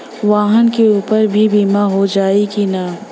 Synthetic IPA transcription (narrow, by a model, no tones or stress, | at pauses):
ʋaːɦənkeuːpəɾbʱibiːmaɦod͡ʒaːiɡina